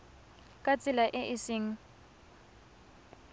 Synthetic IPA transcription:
kʼat͡sʼɪlaʔɪʔɪsɪːŋ̩

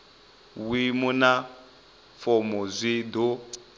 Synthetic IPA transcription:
wimuna | fɔmɔzʷido

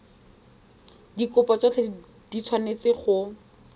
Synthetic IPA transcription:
dikʊpɔt͡sɔt͡ɬʰe | d̥it͡sʰwanet͡sɪχʊ

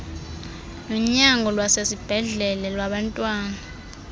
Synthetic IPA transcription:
nɔɲaŋʱɔlwasesib̥ʱɛɮɛlɛlwaɓantʼwaːna

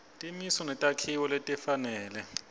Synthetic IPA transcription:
tʼimisɔnɛtʼakʰiwɔlɛtʼɛfanɛːlɛ

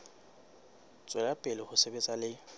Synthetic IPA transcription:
t͡sʼwɛlapʼɪlɪhʊsebɛt͡sʼalɪ

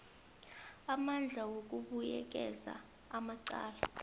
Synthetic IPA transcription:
amand͡ɮʱawok̬ʼuɓujɛ̰k̬ɛza̰ | amaǀa̰ːla

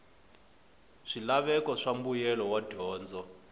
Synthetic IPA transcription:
ʂilaβɛkɔʂambujɛlɔwad̥ʱɔːnd͡zɔ

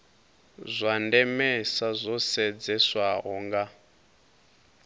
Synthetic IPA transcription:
zʷandɛmɛsazʷɔsɛd͡zɛswaɦɔŋɡa

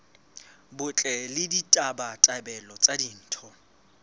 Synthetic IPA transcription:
bʊt͡ɬʼɛlɪditʼabatʼabɛlɔt͡sʼadin̩ːtʰɔ

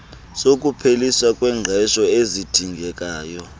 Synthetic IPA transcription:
sok̬ʼupʰeliswakʼwɛːŋ͡ǁʱɛʃɔezid̥ʱiŋɡʱɛk̬ʼaːjɔ

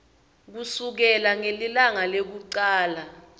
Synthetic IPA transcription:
k̬usuk̬ɛlaŋelilaŋalek̬uǀaːla

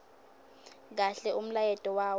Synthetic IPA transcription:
k̬aɬɛum̩lajɛtʼɔwaːw

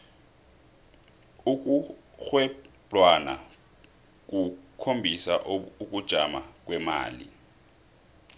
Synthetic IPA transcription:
uk̬uxwɛpʼwana̰ | k̬ukʰombʱisaʔuk̬ud̥ʒ̥ʱamak̬wɛma̰ːlḭ

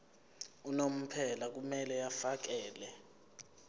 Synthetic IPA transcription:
unom̩pʰɛlak̬umɛlɛjafak̬ɛːlɛ

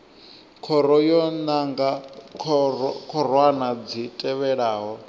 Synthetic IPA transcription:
kʰɔɾɔjɔnaŋɡakʰkʰɔɾ̤wanad͡zitʼɛβɛɺaːɦɔ

